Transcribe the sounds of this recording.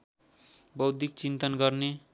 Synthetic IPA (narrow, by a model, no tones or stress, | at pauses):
bʌwd̪ʱikt͡sint̪ʌnɡʌrne